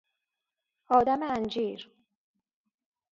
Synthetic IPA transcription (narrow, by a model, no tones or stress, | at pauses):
ɒːd̪æmeænd͡ʒiːɾ